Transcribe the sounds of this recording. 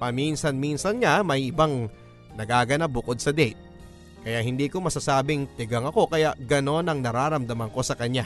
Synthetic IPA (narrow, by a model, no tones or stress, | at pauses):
pɐminsɐnminsɐnɲamɐjʔɪbaŋ | nɐɡaɡɐnap̚bʊko̞d̪̚sɐd̪ɛjt̪̚ | kɐjaʔhɪnd̪iːko̞mɐsasaːbɪŋt̪ɪɡɐŋɐko̞kɐjaʔɡɐno̞nɐŋnɐɾaːɾɐmd̪ɐmɐŋko̞sɐkɐɲa